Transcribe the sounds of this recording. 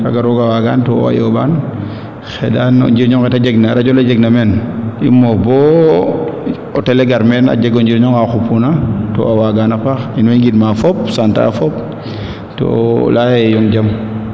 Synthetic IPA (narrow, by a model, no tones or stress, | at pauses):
kaɡaɾɔɡawaɡantɔa̰jobaːn | xɛ̰dan̰ɲd͡ʒiɾɲɔŋkɛtad͡ʒeɡnaɾad͡ʒɔlad͡ʒeɡnamɛnḭmɔbɔ | ɔtɛlɛɡaɾmɛna̰d͡ʒeɡɔɲd͡ʒiɾɲɔŋaxupunatɔ̰awaɡanapaxinweŋɡidmafɔp̚santa̰fɔp̚ | to̰lajaɛjɔŋd͡ʒam